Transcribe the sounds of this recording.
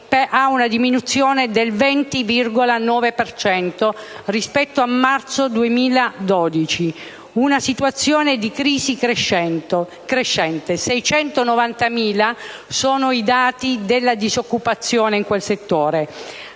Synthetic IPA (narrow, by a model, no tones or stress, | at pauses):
pʔaunad̪iminut̪sːjɔːned̪elvɛnt̪ivirɡolanɔːvepert͡ʃɛnt̪orispɛt̪ːoamːart̪sod̪uemiːlad̪ɔːd̪it͡ʃi | unasit̪wat̪sːjɔːned̪ikɾiːzikʃɛ | kɾeʃːɛnt̪esɛjt͡ʃɛnt̪onovant̪amiːlasoːnoid̪aːt̪id̪elːad̪izokːupat̪sːjɔːneiŋkwelset̪ːoːɾe